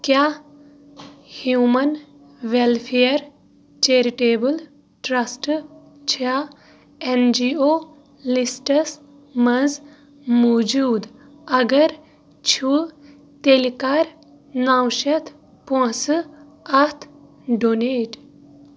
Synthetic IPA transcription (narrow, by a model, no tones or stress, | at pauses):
kjaː | hjuːmɐn | ʋelpʰejɾ | t͡ʃeɾiʈeːbɨl | ʈɾɐsʈ | t͡ʃʰa | end͡ʒiːoː | lisʈɐs | mɐz | moːd͡ʒuːd̪ | ɐɡɐɾ | t͡ʃʰu | t̪elikaɾ | naːwʃɐt̪ʰ | põsɨ | ɐt̪ʰ | ɖoneːʈ